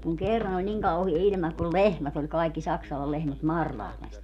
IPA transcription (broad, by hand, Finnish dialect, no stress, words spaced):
kuŋ kerːɑn olʲ niŋ kɑuhie ilʲmɑ kul lehmæt olʲ kɑikːi sɑksɑlɑl lehmæt mɑrlɑhles